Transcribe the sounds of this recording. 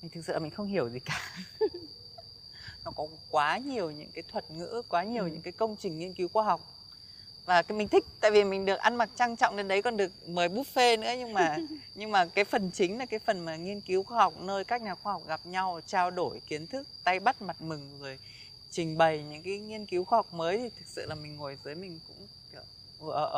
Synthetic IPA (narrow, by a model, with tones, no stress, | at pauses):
mï˨˩ŋt̪ʰɨ˨˩k̚sɨ̰˧˨mï˨˩ŋ̟xə˧wŋ͡mhi˧˩əwzi˨˩kaː˨˩ | nɔ˨˦kɔ˨˦ | kwaː˨˦ɲi˨˩əwɲɨ̰˧˥ŋkaː˨˦jt̪ʰwə˨˩t̚ŋɨ̰˧˥kwaː˨˦ɲi˨˩əwɲɨ̰˧˥ŋkaː˨˦jkə˧wŋ͡mt͡ɕï˨˩ŋ̟ːi˧ənki˨˦xwaː˧ɦɔ˨˩wk͡p̚ | vaː˨˩kːmï˨˩ŋ̟t̪ʰï˦˥k̚t̪a̰ː˧˨jvi˨˩mï˨˩ŋ̟ɗɨ˨˩ək̚ʔa˧nma˨˩t̚t͡ɕa˧ŋt͡ɕɔ̰˧˨wŋ͡mɗe˧nɗə˨˦jkɔ˧˨˩nɗɨ˨˩ək̚məː˨˩jɓu˦˥t̚fe˧nɨ̰˧˥əɲɨ˧ŋmaː˨˩ɲɨ˧ŋmaː˨˩kaː˨˦jfə˨˩nt͡ɕï˨˦ŋ̟la˨˩kaː˨˦jfə˨˩nmaː˨˩ŋi˧ənki˨˦wxwaː˧ɦɔ˨˩wk͡p̚nəː˧jkaː˦˥k̚ɲaː˨˩xwaː˧hɔ˨˩k͡p̚ɣa˨˩p̚ɲa˧wt͡ɕaː˧wɗo˧˩jki˨˦ənt̪ʰɨ˦˥k̚t̪a˧jɓa˦˥t̚ma˨˩t̚mɨ˨˩ŋŋɨ˨˩əj | t͡ɕï˨˩ŋ̟ɓə˨˩jɲɨ̰˧˥ŋkaː˨˦jŋi˧ənki˨˦wxwaː˧ha˨˩wk͡p̚məː˨˦jt̪ʰi˨˩t̪ʰɨ˨˩k̚sɨ̰˧˨laː˨˩mï˨˩ŋ̟ŋo˨˩jzɨː˨˦jmï˨˩ŋ̟kʊ̰˧˥ŋ͡m | ʔəː˨˩ʔ